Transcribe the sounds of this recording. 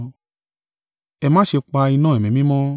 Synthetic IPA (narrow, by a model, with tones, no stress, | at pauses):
ɛ˨mãː˦ʃe˧k͡pa˧i˧nãː˦˨ɛ˨mĩ˨mĩ˦mɔ̃˦